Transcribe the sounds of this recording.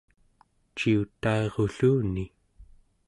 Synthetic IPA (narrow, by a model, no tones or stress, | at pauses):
t͡ʃiut̪aeʁoɬuːni